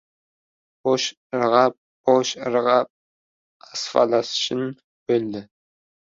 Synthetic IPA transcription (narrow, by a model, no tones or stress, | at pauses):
boʃ | ɾʁɑp | boʃɾʁɑp̚ | ɑsfɑ̰lɑsʃʰɪn | b̥øld̪ɪ